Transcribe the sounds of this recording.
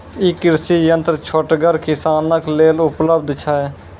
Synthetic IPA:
ɪkːɪɾsiːjənt̪ɾt͡ʃʰoʈɡəɾkɪsaːnəkleːlʊpləbd̪ʱt͡ʃʰaːɛ

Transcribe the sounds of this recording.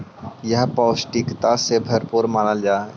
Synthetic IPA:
jəɦpɔːsʈikt̪asebʱɐɾpuɾmanald͡ʒaː

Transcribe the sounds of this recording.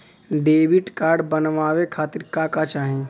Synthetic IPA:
ɖeːbiʈkaːɾɖbənʋaːʋekʰaːt̪iɾkakat͡ʃaːɦĩ

